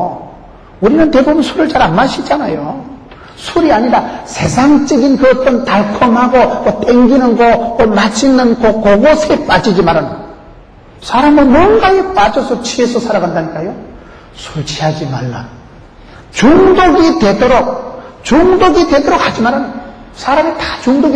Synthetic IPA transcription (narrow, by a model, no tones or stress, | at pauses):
uɾinɯnte̞bubunsʰuɾɯɭt͡ɕaɾanmaɕʰid͡ʑanajo | sʰuɾiaɲiɾasʰe̞sʰaŋt͡ɕ͈ʌɡinkɯʌt͈ʌntaɭkʰʌmɦaɡomʌt͈eŋɡinɯnɡokʌmat͡ɕʰinɯnkokoɡosʰep͈ad͡ʑid͡ʑimaɾana | sʰaɾamɯnmonɡaep͈ad͡ʑʌsʰʌt͡ɕʰiesʰʌsʰaɾaɡandaɲik͈ajo | sʰuɭt͡ɕʰiɦad͡ʑimaɭːa | t͡ɕuŋdoɡitwe̞dʌɾok̚t͡ɕuŋdoɡitwe̞dʌɾok̚had͡ʑimaɾanɯ | sʰaɾamitat͡ɕuŋdoɡi